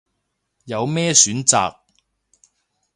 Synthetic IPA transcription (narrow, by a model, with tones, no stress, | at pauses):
jɐ˨˧wmɛː˥syː˨˥nt͡sa̰ː˨k̚